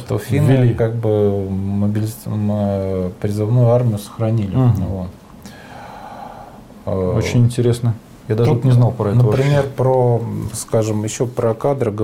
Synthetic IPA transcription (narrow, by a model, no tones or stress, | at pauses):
t̪əfʲinvʲɪlʲikaɡ̚bɨməbʲɪlʲɪmpɾʲɪzɨvnujʊarmʲɪjʊsə̥xɾɐnʲilʲɪvot̪ | əot͡ɕɪnʲɪnʲtʲɪɾʲe̞snə | jad̪aʐut̪nʲɪznɑlˠpɾɐɛnəvpɾʲɪmʲe̞rpɾoskaʐɨmjɪɕːopɾəkad̪ɾəɡə